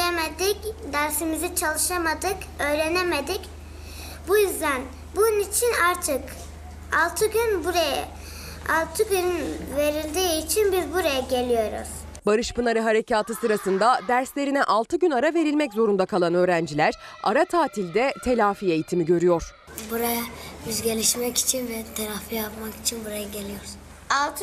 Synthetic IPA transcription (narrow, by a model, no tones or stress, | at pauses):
emed̪icd̪æɾsimizit͡ʃʰalˠɯʃamad̪ɯkø̞jɾe̞nemed̪ic | bujyzd̪æn | bunnit͡ʃʰinaɾt̪ʰɯk | alˠt̪ʰɯɟynbuɾaja̰ | alˠt̪ʰɯɟynynve̞ɾilʲd̪iːt͡ʃʰinbiɾbuɾajaɟe̞lʲijo̞ɾʊ̰z̥ | baɾɯʃpɯnaɾɯɦaɾe̞cʰaːt̪ɯsɯɾasɯnd̪ad̪æɾslʲe̞ɾinɛʔalˠt̪ʰɯɟynaɾave̞ɾilʲmɛczo̞ɾund̪akʰalˠanø̞ːɾænd͡ʒilʲæɾ̥a̰ɾat̪ʰaːt̪ʰilʲd̪ɛt̪ʰe̞lʲaːfiːe̞jit̪ʰimiɟø̞ɾyjo̞ɾ̥ | buɾajayzɡe̞lʲiʃmɛki̥t͡ʃʰinvɛt̪ʰaɾafijapmaki̥t͡ʃʰinbuɾajaɟe̞lʲijoɾz | alˠt̪ʰ